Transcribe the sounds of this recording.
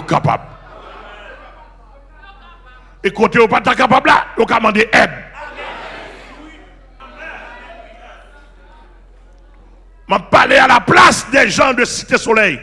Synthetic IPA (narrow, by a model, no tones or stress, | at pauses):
kapa̰b | ekotejopat̪ːakapablajokamɑ̃deʔɛd | mapːalealaplasd̪ɛʒãd̪əsi̥t̪esolɛj